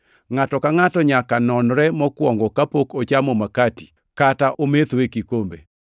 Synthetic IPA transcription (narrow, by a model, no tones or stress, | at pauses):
ŋatɔkaŋatɔɲakanɔnɾɛmɔkwɔŋɡɔkapokot͡ʃamɔmakati̥ | kataʔomet̪wekikombḛ